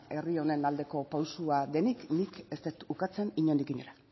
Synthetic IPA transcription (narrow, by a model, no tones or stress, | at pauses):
e̞rio̞ne̞nald̪e̞ko̞pawsuaðe̞niknike̞st̪et̪ukat͡se̞niɲo̞nikiɲoɾa